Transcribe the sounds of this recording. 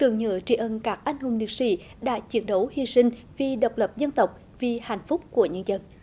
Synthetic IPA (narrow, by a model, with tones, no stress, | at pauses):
t̪ɨ̰˧˨əŋɲə̰ː˧˦t͡ɕḭ˧˩ʔə˧˩nkaː˦˥k̚ʔa˧jŋ̟ɦu˨˩ŋ͡mnḭ˨˩ək̚sḭ˧˥ɗa̰ː˧˥t͡ɕi˨˦ənɗə˨˦whi˧sï˧ŋ̟vi˨˩ɗə˨˩wk͡p̚lə˨˩p̚zə˧nt̪ə˨˩wk͡p̚ | vi˨˩ha̰˧˨jŋ̟fʊ˦˥k͡p̚ku˧˩əɲə˧nzə˧˩n